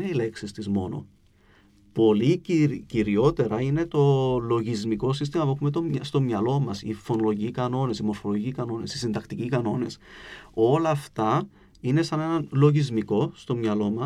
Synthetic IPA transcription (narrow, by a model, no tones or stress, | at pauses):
neile̞ksist̪izmo̞̰no̞̰ | po̞liciɾciɾio̞t̪e̞ɾɐine̞t̪o̞lo̞ʝizmiko̞sis̬t̪imɐpuexumet̪o̞mɐst̪o̞mɲɐlo̞mɐsifo̞nolo̞ʝicikɐno̞ne̞simo̞ɾfo̞loʝicikɐno̞ne̞sisind̪ɐkt̪icikɐno̞ne̞so̞lɐːft̪ɐ | ine̞sɐne̞nɐnlo̞ʝizmiko̞st̪o̞mɲɐlo̞mɐ